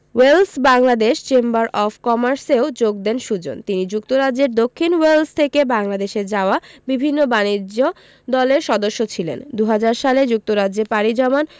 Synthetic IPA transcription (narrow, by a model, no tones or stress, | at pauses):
welsbaŋlad̪eʃt͡ɕembaɾʔɔfʰkɔmaɾseod͡ʑoɡ̚d̪enʃud͡ʑo̰nt̪inid͡ʑuk̚t̪oɾad͡ʑːeɾd̪okʰːinwelst̪ʰekebaŋlad̪eʃed͡ʑaoabibʱinːobanid͡ʑo | d̪ɔleɾʃɔd̪oʃːot͡ɕʰilḛnd̪uɦad͡ʑaɾʃaled͡ʑuk̚t̪oɾad͡ʑeɾpaɽid͡ʑɔman